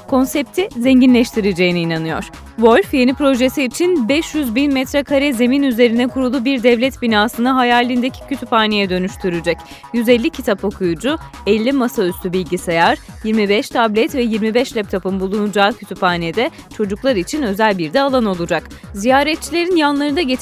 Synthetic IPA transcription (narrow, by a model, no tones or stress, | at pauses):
kʰo̞nsɛp̚t̪ʰizeɲɟinlʲɛʃt̪ʰiɾed͡ʒe̞jiniːnanɯjo̞ɾ̥ | vo̞lʲfje̞nipɾo̞ʒe̞siːt͡ʃʰinbɛʃjyzbinmɛt̪ɾɛkʰaɾɛze̞minyze̞ɾinɛkʰuɾulˠubiɾd̪ɛvlʲɛt̪binaːsɯnɯɦajaːlʲind̪ecʰi̥cʰyt̪ʰyphaːnejɛd̪ø̞nyʃt̪ʰyɾyd͡ʒɛc | jyzɛlʲːicʰit̪ʰapo̞kʰujud͡ʒu | ɛlʲːimasayst̪ʰybilʲɟisejaɾ̥jiɾmibɛʃt̪ʰablʲɛt̪vɛjiɾmibɛʃlʲɛp̚t̪ʰapɯmbulˠunud͡ʒaːcʰy̥t̪ʰypaːned̪ɛ | t͡ʃʰo̞d͡ʒuklˠaɾit͡ʃʰinø̞zælʲbiɾd̪ɛalˠano̞lˠud͡ʒakzijaːɾɛt̪̚t͡ʃʰilʲe̞ɾinjanlˠaɾɯnd̪aɟe